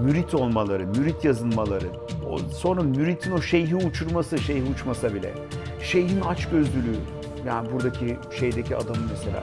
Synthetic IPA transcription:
myɾit̪ʰo̞lˠmalˠaɾɯmyɾit̪ʰjazɯnmalˠaɾɯo̰so̞nɾamyɾit̪ʰino̞ʃe̞jɦiut͡ʃʰuɾmasɯʃejhiut͡ʃmasabilʲɛ̰ | ʃe̞jhinat͡ʃɟø̞zd̪ylʲyː | jaːnibuɾd̪acʰiʃe̞jd̪ecʰia̰d̪amɯmese̞lʲa̰ː

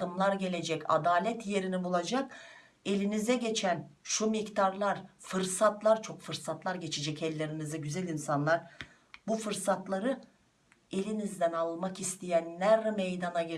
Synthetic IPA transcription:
d̪ɯmlˠaɾɟe̞lʲe̞d͡ʒɛca̰d̪aːlʲɛt̪ʰje̞ɾinibulˠad͡ʒak | e̞lʲinizɛɟe̞t͡ʃʰænʃumict̪ʰaɾlˠaɾ̥fɯɾsat̪lˠaɾt͡ʃʰo̞kfɯɾsat̪lˠaɾɟe̞t͡ʃʰed͡ʒɛcɛlʲːe̞ɾinizɛɟyzælʲinsanlˠaɾ | bufɯɾsat̪lˠaɾɯ | e̞lʲinizd̪ænalˠmakist̪ʰijænlæɾmejd̪anaɟe

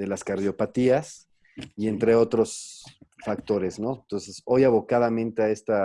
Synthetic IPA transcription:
ðe̞laskaɾðjo̞pat̪ias | ie̞nt̪ɾe̞o̞t̪ɾo̞sfak̚t̪o̞ɾe̞sno̞ent̪o̞nse̞so̞jaβo̞kaðamẽnt̪eae̞st̪a

